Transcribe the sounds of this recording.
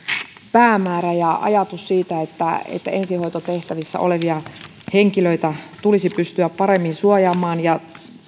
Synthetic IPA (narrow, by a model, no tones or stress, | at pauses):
pæːmæːræjɑʔɑ̰jɑt̪ussiːt̪æet̪ːæḛt̪ːæ̰ensihoit̪ot̪eht̪æʋisːæ̰oleʋiɑ | heŋkiløit̪æt̪ulisipyst̪yæppɑɾemːinsuɑjɑːmɑːnjɑ